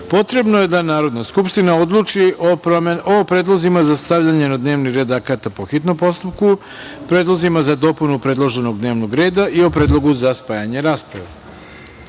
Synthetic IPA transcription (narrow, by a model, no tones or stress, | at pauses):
po̞t̪ɾe̞bno̞je̞d̪anaːɾo̞d̪naskupʃt̪inao̞d̪lˠuːt͡ʂi | opɾed̪lˠozimazast̪aʋʎaɲe̞nad̪ne̞ːʋniɾe̞d̪akat̪apo̞xit̪no̞mpo̞st̪up̚ku | pɾed̪lˠo̞zimazad̪o̞punupɾe̞d̪lˠo̞ʒe̞no̞ɡ̚d̪neːʋnoɡɾe̞ːd̪aʔio̞pɾeːd̪lˠo̞ɡuzaspajaɲe̞ɾaːspɾa̰ʋḛ